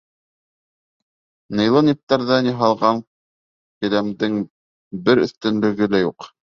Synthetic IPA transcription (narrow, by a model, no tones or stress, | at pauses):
nɤ̆jlˠɤnip̚t̪ːɑɾðɑnjiɦɑlˠʁɑŋ | kɘ̆læmd̪ɘŋ | bɘɾɵ̆θt̪ɘ̆nlɘ̆ɡɘlæjuq